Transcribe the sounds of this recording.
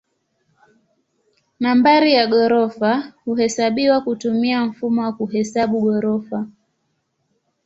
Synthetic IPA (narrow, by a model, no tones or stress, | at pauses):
nambaɾijaɠɔɾɔfahuhɛsaɓiwakutumiam̩fumɔwakuhɛsaɓuɠɔɾɔfa